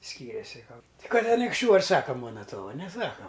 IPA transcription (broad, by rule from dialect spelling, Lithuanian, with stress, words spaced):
ˈsʲkʲiːrʲeːsʲɪ ˈkɐlˠbɐ tʲɪ ˈkɐt ɐnʲɪkʃʲˈt͡ʃʲuː ɐr ˈsɑːkɐ ˈmuɔnɐ ˈtuɔʋɐ nʲɛˈsɑːkɐ